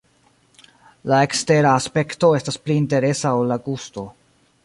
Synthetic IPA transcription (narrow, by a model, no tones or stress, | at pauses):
lae̞kste̞ɾaːspe̞kto̞e̞staspliːnte̞ɾe̞saolːaɡusto̞